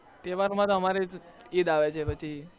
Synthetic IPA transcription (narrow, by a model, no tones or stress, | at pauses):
t̪eʋaɾmãt̪ɦəmaɾed͡ʒ | id̪aʋet͡ʃʰepət͡ʃʰi